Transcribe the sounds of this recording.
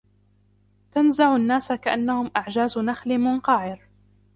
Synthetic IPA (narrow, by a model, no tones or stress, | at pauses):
t̪anzaʕʊanːaːsakaʔanːahʊmʔaʕd͡ʒaːznaxlɪmʊnqɑʕɪɾ